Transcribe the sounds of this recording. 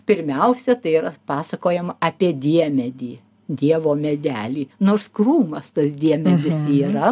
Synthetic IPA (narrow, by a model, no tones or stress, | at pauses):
pʲɪɾʲmʲɛʊsʲɛt̪ɐɪiːɾɐpɑːsɐkoːjɛmɐɐpʲiɛd̪ʲiɛmʲɛd̪ʲiː | d̪ʲiɛʋoːmʲɛd̪ʲæːlʲiːnoːrskruːmɐst̪ɐsd̪ʲiɛmʲɛd̪ʲɪsiːɾɐ